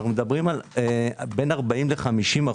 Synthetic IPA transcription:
χnumed̪abʁimal | be̞naʁbaimleχamiʃima

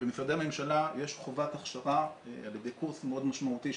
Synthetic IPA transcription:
bemifʁadejame̞mʃalajeʃχovat̪aχʃaʁaaljed̪e̞jkuʁsmeo̞d̪maʃmaut̪i

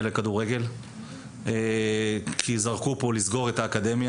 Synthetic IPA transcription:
lekaduʁe̞ɡe̞l | e | kʰizaʁkupo̞lizɡo̞ʁetaːkad̪e̞mja

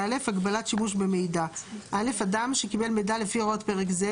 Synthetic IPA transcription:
ale̞faɡbalatʃimuʃbeme̞jdaʔale̞fadamʃekibe̞lmejdale̞fiootpe̞ʁekze

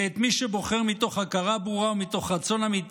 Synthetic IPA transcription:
et̪miʃebo̞χe̞ʁmit̪o̞χhakaʁabuʁaumit̪o̞χʁat͡so̞namit̪

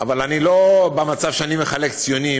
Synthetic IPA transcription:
avalanilo̞bemat͡savʃeanimeχale̞kt͡sijoni

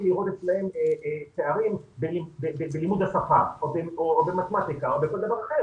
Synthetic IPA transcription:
liʁot̪etslahe̞meet̪eaʁimbelibebebelimud̪hasafaobeoobemat̪emat̪ikaobeko̞ld̪avaʁaχe̞ʁ

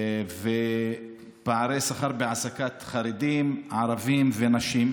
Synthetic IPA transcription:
ve | paʕaɾesaχaʁbeasakat̪χaɾed̪imʕaʁavimvenaʃim

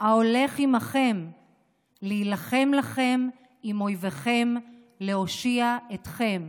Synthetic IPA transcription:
ao̞le̞χimaχe̞m | liilaχe̞mlaχe̞m | imo̞jveχe̞m | le̞o̞ʃiaetχe̞m

